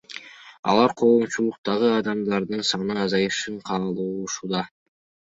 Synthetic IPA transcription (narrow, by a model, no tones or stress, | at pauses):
ɑ̰lˠɑɾqʰo̞ːmt͡ʃulˠuq̚t̪ɑʁɯɑd̪ɑmd̪ɑɾd̪ɯnsɑnɯɑzɑjɯʃɯɴqʰɑːlˠuːuʃud̪ɑ